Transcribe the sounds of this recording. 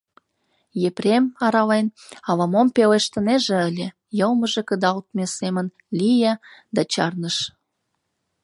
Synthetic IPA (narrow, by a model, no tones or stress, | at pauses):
jepɾʲemɑɾɑlen | ɑlɑmompeleʃt̪ə̆neʒĕəlʲĕ | jɤlməʒekəd̪ɑlt̪mesemən | lʲijɑd̪ɑt͡ɕɑrnəʃ